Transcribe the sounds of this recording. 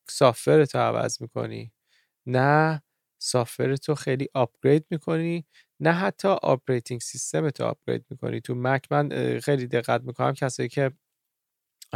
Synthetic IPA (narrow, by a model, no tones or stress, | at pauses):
sɒːfe̞ɾet̪ʰoævæ̰zmiːkʰo̞̰nḭː | næ | sɒːfve̞ɾet̪ʰoxejliːʔɒp̚ʰɡ̥ɾe̞jd̪miːkʰo̞niː | næɦæt̪ʰːɒːʔɒ̰pɾejt̪ʰiŋɡsist̪e̞met̪ʰo̰ɒ̰b̚ɡ̥ɾḛjd̪̚miːkʰo̞̰nʔḭːt̪ʰumæcʰmænxe̞jliːd̪e̞ɣːæt̪̚miːkʰo̞næ̰mcʰæsɒːjiːcʰe̞